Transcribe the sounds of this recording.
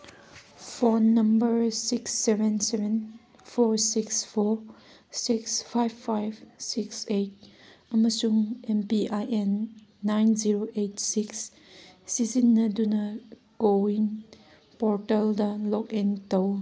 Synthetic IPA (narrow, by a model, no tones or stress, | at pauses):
pʰonːɐmbɐɾsiksːebenseben | pʰoɾsikspʰoɾ | sikspʰajbʰajbsiksejt̚ɐmɐsuŋempiajʔenːajnziɾoʔejtsiks | sizinːɐdunɐ | ɡ̥oiŋ | pɔɾteldɐlɔkentɐw